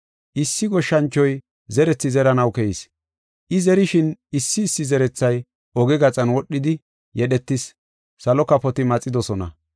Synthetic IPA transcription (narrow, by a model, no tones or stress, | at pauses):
ʔɪsːɪɡɔʃːɐnt͡ʃːɔj | zɛɾɛt͡sːɪzɛɾɐnɐwkɛjis | ʔɪzɛɾɪʃɪnɪsːɪːsːɪzɛɾɛt͡sːɐj | ɔɡɛɡɐt͡sʼɐnwɔɗːɪd̪ɪ | jɛɗɛt̪ːɪsː | ɐlɔkːɐpɔt̪ɪmɐt͡sʼːɪd̪ɔsɔnɐ̰